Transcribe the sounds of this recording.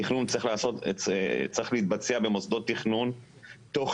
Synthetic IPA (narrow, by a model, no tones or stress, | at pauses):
iχnunt͡sʁiχlaːso̞t̪t͡sʁiχleiːt̪̚bat͡seabe̞mosd̪o̞t̪ːiχnun | t̪o̞χ